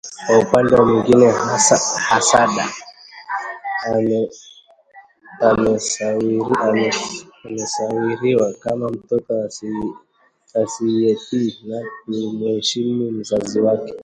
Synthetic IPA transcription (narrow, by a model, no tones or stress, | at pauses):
kwaupandɛwamwiŋɡinɛhasahasaɗa̰ | amɛsaiɾia | amɛsawiɾiwakamam̩tɔtɔ | asiɛtinak̚umuɛʃimim̩zaziwakɛ̥